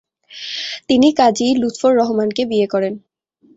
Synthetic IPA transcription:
t̪inikad͡ʑilut̪foɾːɔɦomankebiekɔɾen

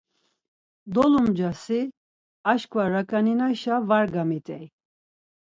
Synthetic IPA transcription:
d̪ɔlumd͡ʒasi | aʃkʼvaɾakʼaninaʃavaɾɡamit̪ʼɛj

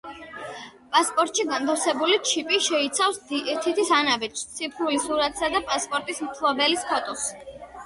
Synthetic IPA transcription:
pʼaspʼɔɾt̪ʼʃiɡant̪ʰafsɛbulit͡ʃʰipʼiʃɛit̪sʰafst̪ʰit̪ʰisanabɛt͡ʃʰst̪sʰipʰɾulisuɾat̪ʰsad̪apʼaspʼɔɾt̪ʼismt̪ʰlˠɔbɛliskʰɔt̪ʼɔs

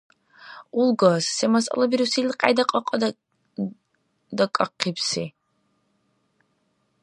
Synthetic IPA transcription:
ulɡassɛmasɐ̰lˠabiɾusilqʼa̰jd̪aqʼɑqʼɔd̪ | d̪akʼaqʰːipsi

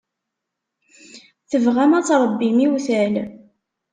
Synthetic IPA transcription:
θəvʁæmæt͡sːɾˤəbːimiwθæl

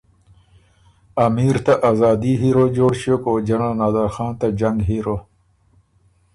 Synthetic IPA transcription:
ɐmiːɾt̪aʔaːzaːd̪iɦiɾod͡ʑoːɽɕokoːd͡ʑɐnanaːd̪aːɾxɑːnt̪ad͡ʑɐŋɡɦiːɾo

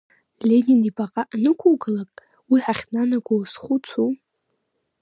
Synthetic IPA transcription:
lʲe̞ninipʼaqʼaʔnɨkʷʰowɡalakʼ | wiħaχʲnanaɡʷowsχut͡sʰo

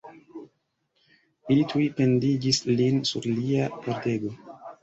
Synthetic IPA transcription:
ilitʰujpe̞ndid͡ʒislinsṵɾliapoɾte̞ɡo̞

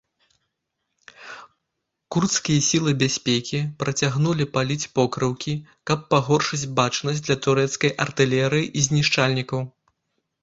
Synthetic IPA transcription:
kurt̪skʲijɐsʲilˠɨbʲasʲpʲekʲipɾɐt͡sʲaɣnulʲipalʲit͡sʲpɔkɾɐwkʲi | kɐpːaɣɔrʂɨd͡zʲbat͡ʂnɐsʲd̪lʲɐt̪uɾɛt̪skɐjʔɐrt̪ɨlʲɛɾɨjiʔizʲnʲiʂt͡ʂalʲnʲikɐw

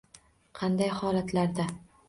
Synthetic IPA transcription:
qʰɑnd̪ajhɒlat̪ʰlaɾd̪a

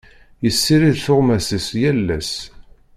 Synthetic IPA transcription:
jəsːiɾiðθʊʁmæsisjælːæs

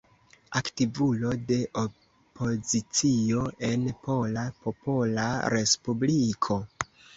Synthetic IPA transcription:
aktivulo̞de̞ʔo | pʰo̞zit͡sio̞ʔe̞npʰo̞lapo̞polaɾe̞spublikʰo̞

